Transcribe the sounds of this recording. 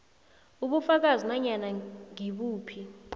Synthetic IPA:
uɓufak̬azinaɲanaŋiɓuːpʰi

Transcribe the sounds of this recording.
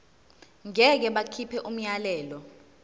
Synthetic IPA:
ŋɛk̬ɛɓakʰipʰɛʔum̩ɲalɛːlɔ

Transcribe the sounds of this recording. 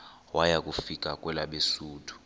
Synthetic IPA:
wajak̬ʼufik̬ʼakʼwɛlaɓesuːtʰu̥

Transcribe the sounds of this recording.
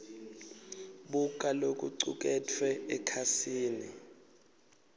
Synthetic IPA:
ɓuk̬ʼalok̬ʼṵǀṵk̬ʼɛtʰwɛɛkʰasiːnḭ

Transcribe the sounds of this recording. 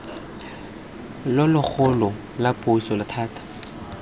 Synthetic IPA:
lʊlʊk͡xʰʊlɔ | lapʼʊsɔlɪtʰaːtʰḁ

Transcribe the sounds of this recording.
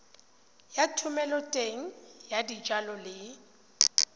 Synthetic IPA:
jatʰʊmɛlɔtʼeŋ̩jadid͡ʒalɔlɪ

